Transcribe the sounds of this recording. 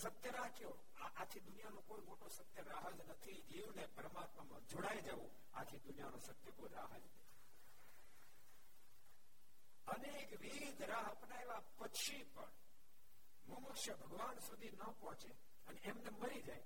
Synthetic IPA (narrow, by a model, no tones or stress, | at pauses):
sət̪jəɾat͡ʃjo | aʔat͡ʃʰid̪ʊnijanõkoimoʈosət̪jəɾaɦəd͡ʒnət̪ʰid͡ʒeũnepəɾəmat̪məmã̰d͡ʒoɽajd͡ʒaʋũ | a̰t͡ʃʰid̪unijanõsət̪jəkoɾaɦəd͡ʒde | ənekʋiid̪ʱɾaɦəpnaeʋapəkʃipə̰ɳ | məmʊkʃjəbʱəɡʋansud̪ʱinəpɔɦɔ̃t͡ʃe | əneemneməɾid͡ʒaj